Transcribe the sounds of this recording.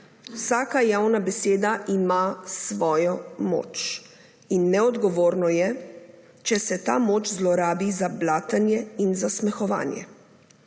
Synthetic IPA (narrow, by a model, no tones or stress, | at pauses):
wsaːkajaːwnabɛseːd̪aʔimasʋɔːjɔmo̰ːt͡ʃ | inːɛɔd̪ɡɔʋoːɾnɔjɛ | t͡ʃɛsɛt̪aːmoːt͡ʃzlɔɾaːbizablaːt̪anjɛinzasmɛxɔʋa̰ːnjɛ̰